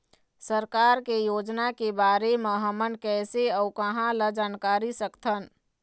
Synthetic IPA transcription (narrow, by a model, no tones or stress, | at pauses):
səɾkaːɾkejoːd͡ʒnakebaːɾemeɦəmənkɛːseəukəɦãləd͡ʒaːnkaːɾisəkt̪ʰən